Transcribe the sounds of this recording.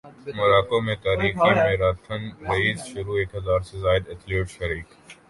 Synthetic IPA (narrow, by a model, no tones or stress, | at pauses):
mɐɾaːkomẽt̪aːɾiːxemẽɾaːt̪ʰənɾɐiːzʃʊɾueːkɦɐzaːɾsezaːɪd̪et̪ʰloːʈʃɐɾiːk